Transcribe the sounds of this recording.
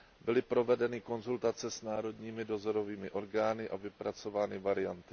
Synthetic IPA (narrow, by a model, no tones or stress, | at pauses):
bɪlɪpɾo̞vɛdɛnɪko̞nzult̪at͡sɛsnaːɾo̞dɲiːmɪdo̞zo̞ɾo̞viːmɪʔo̞ɾɡaːnɪʔavɪpɾat͡so̞vaːnɪvaɾɪjant̪ɪ